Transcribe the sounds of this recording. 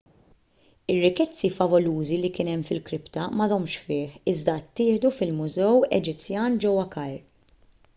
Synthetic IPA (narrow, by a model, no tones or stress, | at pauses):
ɪrːɪkɛt͡sːifɐvɔluːzilikɪːnɛmːfɪlkɾɪpt̪ɐmɐd̪ɔmʃfɪːħɪzd̪ɐt̪ːɪːħd̪ufɪlmʊzɛwɛd͡ʒɪt͡sːjɐːnd͡ʒɛwːɐkɐjɾ